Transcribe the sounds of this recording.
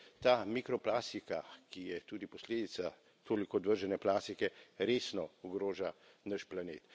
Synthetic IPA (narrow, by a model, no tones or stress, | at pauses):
t̪aːmikɾɔplaːst̪ikakijɛt̪uːd̪ipɔsleːd̪it̪sa | t̪ʰoːlikɔːd̪ʋəɾʒɛnɛplaːst̪ikɛɾeːsnɔɔɡɾoːʒa | nəʃplaneːt̪